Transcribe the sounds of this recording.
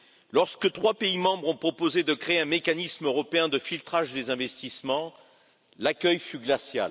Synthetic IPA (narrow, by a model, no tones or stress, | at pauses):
lɔʁskət̪χwapeimɑ̃bʁɔ̃pχɔpozed̪əkχeeɛ̃mekanismøʁɔpeɛ̃d̪əfilt̪χaʒd̪ezɛ̃vɛst̪ismɑ̃ | lakʲœjfyɡlasja̰l